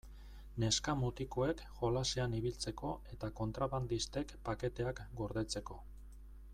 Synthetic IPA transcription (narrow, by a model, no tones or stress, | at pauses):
ne̞skamut̪iko̞e̞k | ʝo̞lase̞aniβ̞ilt͡se̞ko̞e̞t̪ako̞nt̪ɾaβand̪ist̪e̞kpake̞t̪e̞akɡo̞ɾðe̞t͡se̞ko̞